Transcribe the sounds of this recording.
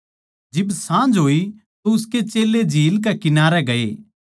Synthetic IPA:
d͡ʒɪbsãːnd͡ʒɦoːi | t̪oʊsket͡ʃeːled͡ʒʱiːlk̬ekɪnaːɾɛɡɐḛː

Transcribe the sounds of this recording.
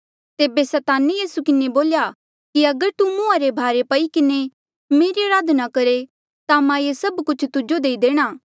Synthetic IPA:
t̪eːbesɐːt̪aːnijiːsukɪneboːlja | kiɐɡəɾt̪umʊ̃ãɾebʱaːɾepɐikɪne | meːɾiɐɾaːd̪ʱnakɐɾe | t̪amãjesɐbkʊt͡ʃʰt̪ʊd͡ʒod̪eːid̪eːɽ̃aː

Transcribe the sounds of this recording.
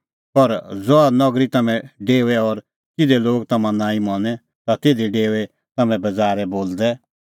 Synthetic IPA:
pɐɾd͡zoanɔɡɾit̪ɐmɛ̃ɖeːʋɛɔɾ | kɪd̪ɛloːɡt̪ɐmãnãːĩmɔ̃ːnɛ | t̪at̪ɪːd̪eɖeːʋɛ | t̪ɐmɛ̃bɐd͡zaːɾɛboːld̪ɛ

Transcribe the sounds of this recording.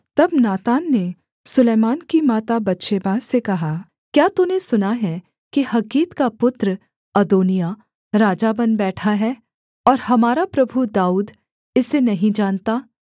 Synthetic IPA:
t̪ɐbnaːt̪aːnːe | sʊleːmaːnkimaːt̪abɐtːʃebaːzsekɐɦaː | kjaːt̪unesʊnaɦɛ | kihɐkiːt̪kapʊt̪ɾ | ɐd̪oːnija | ɾaːd͡ʒabɐnbɛːʈʰaɦɛː | ɔːɾɦɐmaːɾapɾɐbʱud̪aːuːd̪ | ɪsenɐɦĩd͡ʒaːnt̪aː

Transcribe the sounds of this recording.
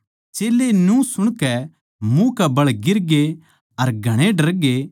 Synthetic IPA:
t͡ʃeːlenũsʊɽ̃kɛ | mũkɛbɐɭɡɪɾɡe | ɐɾɡʱɐɽ̃ẽɖɐɾɡe

